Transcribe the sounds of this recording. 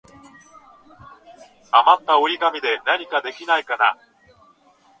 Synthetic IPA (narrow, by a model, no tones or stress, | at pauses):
amat̪ːaoɾʲiɡamʲid̪e̞naɲ̟ikad̪e̞kʲinaikana